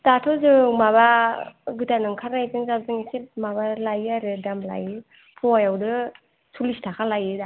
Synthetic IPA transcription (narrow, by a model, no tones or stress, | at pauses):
datʰɔzɯmaβaɡɯtanɯŋkʰaɾnajzɯŋzabzɯŋsimaβalajaɾɯdamla̰jɯ | pʰɔajawdɯ | sʰulistʰakʰalajɯda